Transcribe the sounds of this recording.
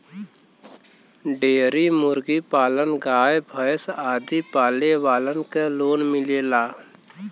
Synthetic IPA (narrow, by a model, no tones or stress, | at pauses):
ɖeːɾimʊɾɡipaːlənɡaːjbʱəjsaːd̪ipaːleʋaːlənkeloːnmɪleːlaː